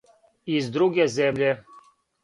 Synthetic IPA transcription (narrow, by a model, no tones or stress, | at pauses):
izd̪ɾuɡɛzɛmʎʲɛ